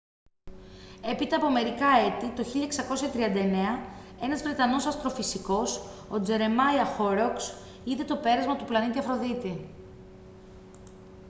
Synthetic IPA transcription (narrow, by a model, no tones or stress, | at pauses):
e̞pit̪ɐːpo̞me̞ɾikɐe̞t̪it̪o̞çiʎɐeksɐko̞sçɐt̪ɾiɐnd̪ɐene̞ɐe̞nɐzvɾe̞t̪ɐno̞sɐst̪ɾo̞fisiko̞so̞d͡ze̞ɾe̞mɐjɐxo̞ɾoks | iðe̞t̪o̞pe̞ɾɐzmɐt̪uplɐnit̪iɐfɾo̞ðit̪i